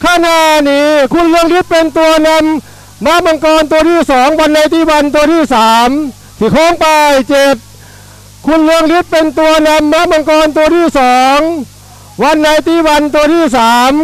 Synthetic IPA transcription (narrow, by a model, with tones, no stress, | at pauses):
kʰaː˧˩na˧˩niː˦˥kʰu˧˥nlɯ˧əŋli˦˥t̪̚pe˧nt̪u˧ɐna˧˥mː | a˧˥˩ma˧ŋkɔː˧nt̪u˧ɐɾʰiː˧˥˩sɔː˩˦ŋwa˧nːa˧jt̪iː˧˥˩wa˧nt̪u˧ɐt̪ʰiː˧˥˩saː˩˦m | sʰiː˧˩kʰɔː˧˥˨ŋpa˧jt͡ɕe˨˩t̪̚ | kʰu˧˥nlɯ˧˥əŋli˦˥t̪̚pe˧nt̪u˧ɐna˧mːa˧˥˩ma˧ŋkɔː˧nt̪̬u˧əɾiː˧˥˩sɔː˦ŋ | wa˧˥nːa˧jt̪iː˧˩wa˧nt̪u˧ɾʰiː˧˥˩saː˩˦m